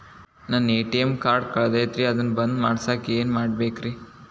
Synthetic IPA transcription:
naːneːʈijemkaːɾɖkɐɭd̪ajɐt̪ɾiɐd̪ɐnːbɐnd̪maːɽsaːkeːnmaːɽbeːkɾi

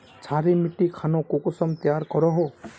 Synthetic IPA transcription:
t͡sʰaɾimiʈikʰanɔkokusɔmt̪jaɾkɔɾɔɦo

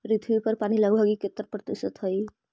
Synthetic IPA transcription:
ɾit̪ʰwipəɾpaniləɡbʱəɡiket̪əɾpɾət̪isət̪ɦəj

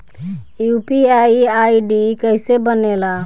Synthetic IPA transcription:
jupiaaiɖikəɦɪsebənela

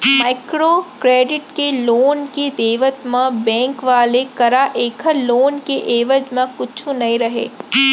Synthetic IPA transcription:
maːɪkɾoːkɾeːɖɪʈkeloːnkid̪eːʋət̪mɐ̃bɛ̃ːŋkʋaːlekɐɾaʔeːkʰəloːnkeʔeːʋəd͡ʒmɐ̃kʊt͡ʃʰũnɐĩɾɐɦḛː

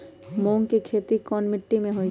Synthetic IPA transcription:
moŋkikʰet̪ikɔnmɪʈːimẽɦoj

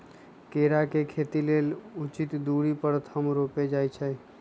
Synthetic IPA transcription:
keɾakekʰet̪ilelut͡ʃit̪d̪uɽipəɾt̪ʰəmɾoped͡ʒajt͡ʃʰɛj

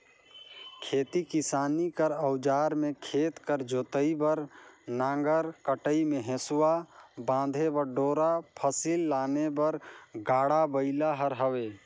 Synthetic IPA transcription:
kʰeːt̪ikisaːnikəɾəʊd͡ʒaːɾmẽkʰeːt̪kəɾd͡ʒoːt̪əibəɾnãːŋɡəɾkəʈəimeɦẽsuwabãːd̪ʱebəɾɖoːɾapʰəsilːaːnebəɾɡaːɽabəɪlaɦəɾɦəweː

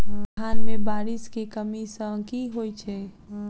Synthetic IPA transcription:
aːnmẽbaːɾiskekəmisə̃kiɦoit͡ʃʰɛɦ

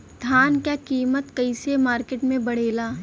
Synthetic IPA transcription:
d̪ʱaːnkjakiːmət̪kɐɪsemaːɾkeːʈmẽbɐɽ̤eːlaː

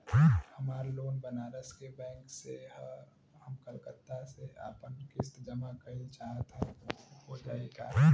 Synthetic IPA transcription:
hɐmaːɾloːnbənaːɾəskebɛ̃ːŋkseɦə | həmkəlkət̪ːasea̰ːpənkɪst̪d͡ʒəmakɐit͡ʃaːɦət̪ɦɛ̃oɦod͡ʒaːeɡa̰ː

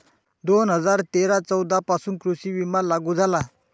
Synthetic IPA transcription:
d̪onɦəd͡zaɾt̪eɾat͡sɔwd̪ʱapasunkɾusiʋimalaɡud͡zala

